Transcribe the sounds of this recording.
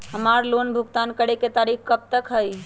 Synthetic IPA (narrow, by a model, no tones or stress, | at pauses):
ɦəmaɾlonbʱuɡt̪ankəɽeket̪aɾikkəb̚t̪əkɦəj